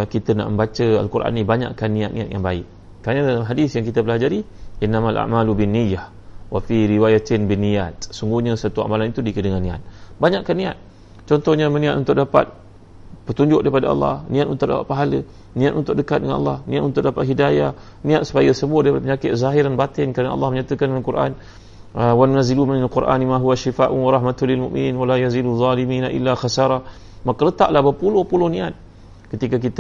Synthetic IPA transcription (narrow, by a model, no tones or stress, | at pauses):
kit̪əna̰ʔmə̃mbat͡ʃəa̰lkuɾʔa̰nibaɲa̰ʔkanːĩat̪̚nĩat̪̚jaŋbaɪ̰ʔ | kːɾanədalamɦadisjaŋkit̪abəlad͡ʒaɾiʔinːamalʔa̰ʔmalubinːijːah | wafiɾiwajat̪ɪnbinijat̪̚suŋɡuɲasət̪ua̰malanit̪udikədəŋanːĩa̰t̪̚baɲaʔkːanːĩa̰t̪̚ | t͡ʃɔnt̪ɔhɲamənĩat̪ʔunt̪ʊk̚dapa̰t̪̚ | pət̪uɲd͡ʒʊʔ̚daipadaʔɑ̰lːɑ̰hnĩat̪unt̪ʊk̚da̰pa̰t̪̚paɦalə | nĩat̪unt̪ʊk̚dəkat̪̚dəŋanʔɑ̰lːɑ̰hnḭ̃at̪ʔunt̪ʊk̚dapat̪̚ɦidajah | nĩat̪̚su̥pajasəbuadaipadapəɲakɪt̪̚zaɦɪɾanbat̪ɪnkəɾənaʔɑ̰lːɑhməɲat̪əkanakuɾʔa̰n | əwannaziluminalquɾʔa̰nimãɦuwaʃifaʔuwaɾˤɑhmat̪ulilmṵʔmḭniːnwalajaziduðˤɑliminaʔḭlːaxasaɾˤɑh | makalət̪aʔlahbəpulʊhpulʊhnĩat̪̚ | kət̪ikak̬it̪